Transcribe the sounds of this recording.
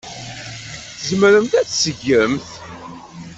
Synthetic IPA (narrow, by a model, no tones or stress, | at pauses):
θəzməɾəmt̪æt͡ssəʝːəmθ